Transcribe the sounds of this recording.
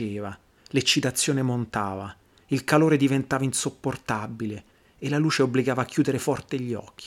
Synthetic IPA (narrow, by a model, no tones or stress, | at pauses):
eːva | let͡ʃːit̪at̪sːjoːnemont̪aːva | ilkaloːɾed̪ivent̪aːvainsopːort̪abile | elːaluːt͡ʃeobːliɡaːvaːkːjuːd̪eɾefɔrt̪eʎːɔ̰k̟ːi